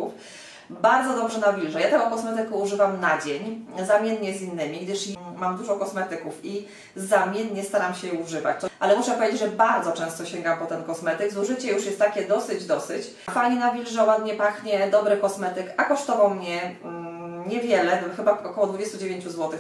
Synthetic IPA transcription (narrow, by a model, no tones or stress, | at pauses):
uf | baɾd̪zɔd̪ɔbʐɛnavʲilʐɛjat̪ɛ̃ɔkɔsmɛt̪ɘkɛuʐɘvamnad͡ʑeɲzamʲjɛnɲɛzinːɘmʲiɡd̪ɘʂmamd̪uʐɔkɔsmɛt̪ɘkufi | zamʲjɛnɲɛst̪aɾamɕɛjɛuʐɘva̰t͡ɕt̪ʔalɛmuʂɛpɔvʲed͡ʑed͡ʑʲʐɛbaɾd̪zɔt͡ʂɛ̃w̃st̪ɔɕeŋɡampɔt̪ɛnkɔsmɛt̪ɘɡzuʐɘt͡ɕɛjuʂjɛst̪ːakʲɛd̪ɔsɘd͡ʑd̪ɔsɘt͡ɕ | fajɲɛnavʲilʐɛwad̪ɲɛpaxɲɛd̪ɔbɾɘkɔsmɛt̪ɘkakɔʂt̪ɔvawmɲɛ | ɲɛvʲjɛlɛxɘbaɔkɔwɔd̪vud͡ʑest̪ud͡ʑevʲjeɲt͡ɕuzwɔt̪ɘx